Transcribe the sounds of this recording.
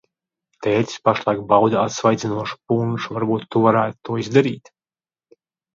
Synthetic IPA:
t̪ɛːt̪sʲi̥spaʃlˠajk̚bawd̪aat̪svajd̪zʲinuɔʃu̥punʒuvaɾbuːt̪ːuvaɾæːt̪ut̪uɔizd̪aɾiːt̪

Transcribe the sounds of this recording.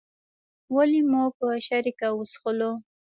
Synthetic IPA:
walimopəaʃaɾikawʊsxʊlo

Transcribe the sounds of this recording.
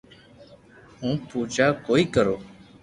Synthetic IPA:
hũːpuːd͡ʒaːkoːiːkəɾoː

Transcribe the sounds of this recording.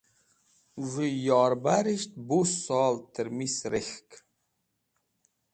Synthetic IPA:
vijɑːɾbaɾiʃt̪̚busɑːlt̪əɾmisɾexk

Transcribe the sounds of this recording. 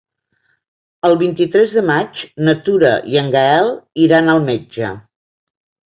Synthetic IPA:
əlˠβint̪it̪ɾɛzðəmat͡ʃnət̪uɾə̰ḭəŋɡəɛlˠiɾanəlˠmed͡ʒə̰

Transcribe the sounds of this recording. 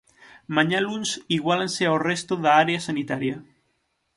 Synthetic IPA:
maɲalunsiɣwalanseawrest̪oðaaɾeasanit̪aɾja

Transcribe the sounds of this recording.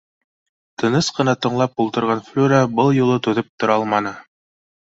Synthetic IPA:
t̪ɤ̆nɤsqɤ̆nɑt̪ɤ̆ɴlˠɑpulˠt̪ɤ̆ɾʁɑnflʲuɾabɤlˠjulˠɤt̪ɵðɵp̚t̪ŏɾɑlˠmɑnɤ

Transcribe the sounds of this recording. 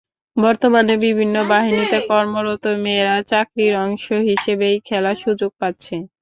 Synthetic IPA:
bɔɾt̪omanebibʱinːobaɦinit̪ekɔɾmoɾot̪omeɾat͡ɕakɾiɾɔŋʃoɦiʃebejkʰɛlaʃud͡ʑoɡ̚pat̪ːɕʰe

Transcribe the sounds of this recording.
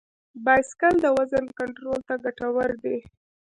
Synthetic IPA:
bɑjskald̪əwazənkaɳʈɾolt̪aɡaʈawəɾd̪e

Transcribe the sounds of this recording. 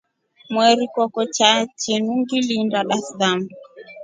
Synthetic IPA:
mwɛɾikɔkɔt͡ʃat͡ʃinuŋɡilindaɗasdan

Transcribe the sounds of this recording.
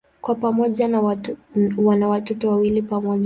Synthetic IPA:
kwapamɔʄa | wanawatɔtɔwawilipamɔʄ

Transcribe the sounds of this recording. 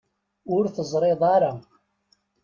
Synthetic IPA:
ʊɾθəzˤɾˤeðˤɑɾˤɑ

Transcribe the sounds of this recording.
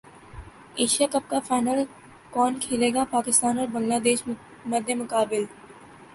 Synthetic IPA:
eːʃijakɐp̚kafaːnəl | kɔːnkʰeːleːɡapaːkɪst̪aːnɔɾbɐ̃ŋɡlaːd̪eːʃ | mɐd̪ʱjəmʊkaːbɪl

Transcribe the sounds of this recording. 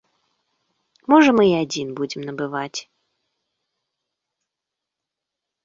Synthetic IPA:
mɔʐɐmɨiad͡zʲinbud͡zʲɪmnɐbɨvat͡sʲ

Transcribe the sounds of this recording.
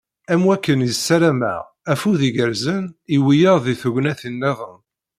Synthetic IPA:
æmwækːənjisːæɾæmə̰ʁ | æfuðiʝəɾzəniwijəɾðiθuʝnæθinːæðˤən

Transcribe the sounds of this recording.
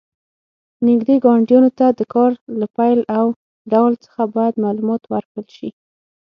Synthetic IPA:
nɪɡd̪eɡɑɳɖjunot̪ad̪əkɑɾlapajlaw | ɖawlt͡sə̥xabɑjad̪malumɑt̪waɾkɽəlʃi

